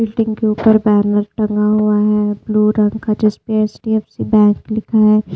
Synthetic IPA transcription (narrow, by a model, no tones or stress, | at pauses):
ɪlʈɪ̃ŋɡkeuːpəɾbɛːnəɾʈɐ̃ŋɡaɦuaɦɛbluːɾɐ̃ŋkʰad͡ʒɪspeeːsʈiɛːfsibɛ̃ːŋklɪkʰaɦɛː